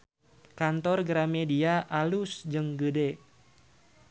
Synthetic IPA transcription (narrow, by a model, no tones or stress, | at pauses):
kant̪ɔrɡəɾamediaʔalusd͡ʒɨŋɡəde